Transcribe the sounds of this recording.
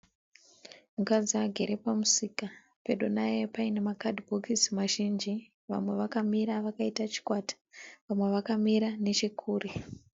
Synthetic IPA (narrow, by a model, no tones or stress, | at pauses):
mukad͡ziaɡʱe̞ɾe̞pamusika | pe̞ɗonajepainemakadʱibʱokismaʒind͡ʒi | ʋa̰mwe̞ʋakamiɾaʋakaitat͡ʃi̥kwatḁʋamwe̞ʋakamiɾane̞t͡ʃikʰuːri